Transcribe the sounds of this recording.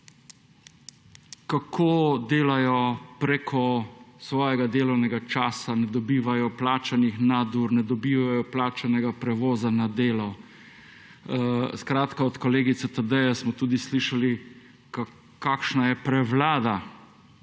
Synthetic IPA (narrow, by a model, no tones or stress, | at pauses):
kakʰoːd̪eːlajɔpɾekʰɔsʋɔːjɛɡad̪eːlɔwnɛɡat͡ʃaːsanɛd̪ɔbiːʋajɔplaːt͡ʃanixnad̪uɾnɛd̪ɔbiːʋajɔplaːt͡ʃanɛɡapɾɛʋoːzanad̪eːlɔ | skɾaːt̪kaɔt̪kɔleːɡit̪sɛt̪əd̪əjasmɔt̪uːd̪isliːʃali | k | kakʃnajɛpɾɛʋlaːd̪a